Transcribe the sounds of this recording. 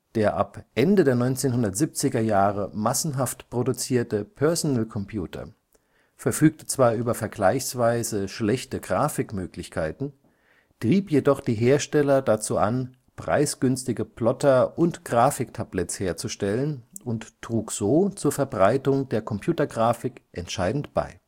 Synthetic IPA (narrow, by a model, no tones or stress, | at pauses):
d̥eːɐʔa̰pʔɛndədeːɐnɔʏnt͡seːnhʊndɐtz̥ip̚t͡sɪɡɐjaːʁəmasn̩ɦaftpʁ̥odut͡siːɐtəpʰœɐzonɛlkʰɔmpʰjṵːtʰɐ̰ | fɛɐfyːk̚tə̥t͡sv̥aːɐʔyːbɐfɛɐɡlaɪçsv̥aɪzəʃlɛçtəɡʁaːfɪkmøːklɪçkʰaɪtn̩ | tʁ̥iːpjedɔχd̥iːɦeːɐʃtɛlɐdat͡suːʔa̰n | pʁ̥a̰ɪsɡ̥ʏnstɪɡəpʰlɔtɐʔʊntɡ̥ʁaːfɪktʰablɛtt͡sheːɐt͡suʃtɛlənʊnttʁ̥uːkz̥oːt͡suːɐfɛɐbʁaɪtʊŋdeːɐkʰɔmpjuːtɐɡʁaːfɪkʔɛntʃaɪdn̩tb̥a̰ɪ